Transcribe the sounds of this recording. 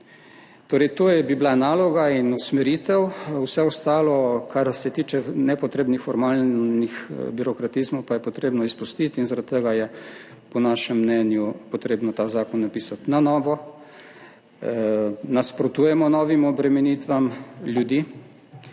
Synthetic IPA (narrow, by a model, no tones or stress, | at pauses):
t̪oːɾɛjt̪oːjbiblanaːlɔɡainusmɛɾiːt̪ɛwwsɛɔst̪aːlɔkʰaɾsɛt̪iːt͡ʃɛnɛpɔt̪ɾeːbnixfɔɾmaːlnixbiɾɔkɾat̪izmowpajɛpɔt̪ɾeːbnɔispust̪it̪inzaɾat̪̚t̪əɡajɛ | pɔnaːʃɛmːnɛːnjupɔt̪ɾeːbnɔt̪aːzaːkɔnːapiːsat̪nanɔːʋɔ | naspɾɔt̪uːjɛmɔnɔʋimɔbɾɛmɛnit̪ʋamljud̪iː